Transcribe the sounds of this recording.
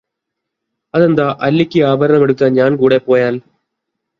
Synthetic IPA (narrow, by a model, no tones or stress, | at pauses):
ɐðe̞nd̪aʔɐlːikʲːiaːbʱɐɾɐɳɐmeɽuk̪ːɐnɲaːnkuːɽe̞po̞ːjaːl